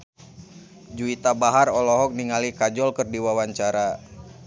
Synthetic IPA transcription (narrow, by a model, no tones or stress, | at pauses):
d͡ʒuit̪abaɦarɔlɔɦɔk̚niŋalikad͡ʒɔlkɨrdiwawaɲt͡ʃaɾa